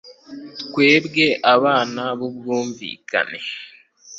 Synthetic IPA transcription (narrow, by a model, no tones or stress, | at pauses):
kwe̞ːbɡe̞ʔaβaːnaβubɡuːɱvḭːkʰa̰ne̞